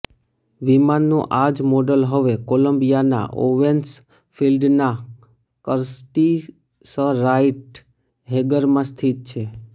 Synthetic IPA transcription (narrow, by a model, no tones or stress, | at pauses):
ʋimanːõʔad͡ʒmɔɖəlɦəʋekoləmbijana̰ʔo̰ʋens | filɖna | kəɾsʈi | səɾajʈ | ɦeɡəɾmãst̪ʰit̪̚t͡ʃʰe